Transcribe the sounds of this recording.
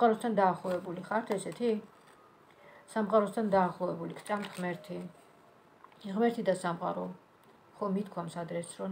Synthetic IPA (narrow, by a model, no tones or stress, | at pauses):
amqʼaɾɔst̪ʰand̪aːχlˠɔvɛbuliχaɾt̪ʰɛsɛt̪ʰi | samqʼaɾɔst̪ʰand̪aːχlˠɔvɛbulikʰt̪sʼamt̪ʰʁmɛɾt̪ʰi | ʁmɛɾt̪ʰid̪asamqʼa̰ɾɔ | χɔmit̪kʰwamsad̪ɾɛsɾɔ